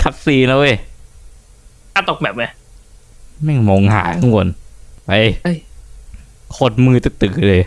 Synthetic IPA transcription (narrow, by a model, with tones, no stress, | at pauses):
kʰa˦˥t̪̚siː˧na˦˥we˧˩ | kʰaː˦˧˩t̪o˨˩k̚bɛː˨˩p̚ma˧˦ | mɛ˧˩ŋmo˧ŋha̰ː˩˦˧ŋu˧ənpa˧jj | kʰo˨˩t̪̚mɯː˧t̪ɛ˧˩t̪ɯː˨˩˦lɤː˧j